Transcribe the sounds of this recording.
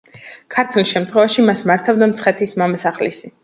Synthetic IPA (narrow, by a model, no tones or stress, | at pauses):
kʰaɾt̪ʰuliʃɛmt̪ʰχwɛvaʃimasmaɾt̪ʰavd̪amt̪sʰχɛt̪ʰismamasaχlisi